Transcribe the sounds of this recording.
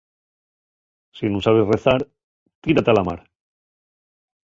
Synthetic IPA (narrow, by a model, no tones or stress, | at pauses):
sinũsaβe̞sreθaɾ | t̪iɾat̪alama̰ɾ